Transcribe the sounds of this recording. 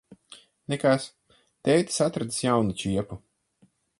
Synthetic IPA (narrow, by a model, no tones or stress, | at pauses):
nekas | t̪ɛjt̪i̥sat̪ɾad̪sjawnut͡ʃiɛpu